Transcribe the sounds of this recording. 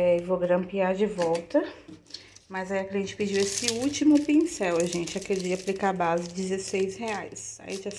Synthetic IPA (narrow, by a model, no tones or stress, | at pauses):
ɛevoɡɾɐ̃mpiaɾd͡ʒɪvɔwt̪ɐ | mɐzaiɐkliẽnt͡ʃɪ̥pɪd͡ʒiwesɪut͡ʃimʊpĩsɛwʒẽnt͡ʃɪakeld͡ʒiaplikabazɪd͡ʒɪzesejsheajsa̰iʒa